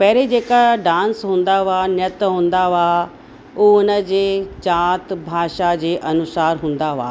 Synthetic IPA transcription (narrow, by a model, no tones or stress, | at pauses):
pɛɦɾed͡ʑeːkaɖãːnsɦũːnd̪aʋanjət̪ɦũːn̆d̪aʋa | uːʊnəd͡ʑeːt͡ɕaːt̪bʱaːʃad͡ʑeːʔɐnʊsaːɾɦũːn̆d̪aʋa̰ː